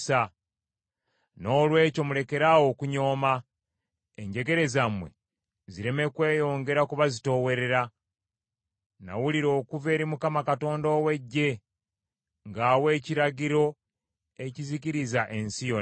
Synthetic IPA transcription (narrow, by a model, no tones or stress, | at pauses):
sa | no̞ːlwe̞ːco̞mule̞ke̞ɾawo̞ːkuɲo̞ːma | eɲɟe̞ɡe̞ɾe̞zamwe̞̰ | ziɾe̞me̞kwe̞ːjo̞ːŋɡe̞ɾakuβazito̞we̞ɾe̞ɾa | na̰wuliɾo̞ːkuve̞ːɾimukamakato̞ːndo̞ːwe̞ɟːe̞ | ŋɡaːwe̞ːciɾaɡiɾo̞ | e̞ciziciɾizaʔe̞nsijo